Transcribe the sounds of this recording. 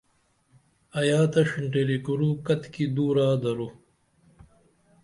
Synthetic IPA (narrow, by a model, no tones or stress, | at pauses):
ɐjaːt̪ɐʂiɳʈeɾikuɾukɐt̪kid̪uːɾaːd̪ɐɾu